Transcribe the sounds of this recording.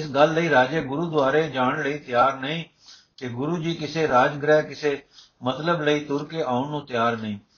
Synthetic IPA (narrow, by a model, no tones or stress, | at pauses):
ɪsɡəlːəiːɾaːd͡ʒeːɡʊɾuːd̪ʊʋaːɾeːd͡ʒaːɳləiːt̪ɪjaːɾnəĩː | keɡʊɾuːd͡ʒiːkɪseːɾaːd͡ʒɡɾɛːkɪseː | mət̪ləbləiːt̪ʊɾkeːʔaːʊnnũːt̪ɪjaːɾnəĩː